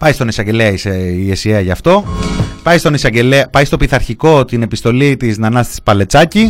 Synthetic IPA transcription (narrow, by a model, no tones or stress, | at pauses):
pɐjst̪o̞nisɐɲɟe̞leɐiseesieɐʝɐft̪o̞pɐjst̪o̞nisɐɲɟe̞leɐpɐjst̪o̞piθɐɾçiko̞t̪ine̞pist̪o̞lit̪iznɐnɐst̪i̥spɐle̞t͡sɐci